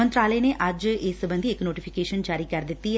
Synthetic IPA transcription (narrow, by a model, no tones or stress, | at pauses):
ə̃nt̪ɾaːləeːneːʔɐd͡ʒeːsəbə̃nd̪iːɪknoːʈipʰɪkeːʃənd͡ʒaːɾiːkəɾd̪ɪt̪ːi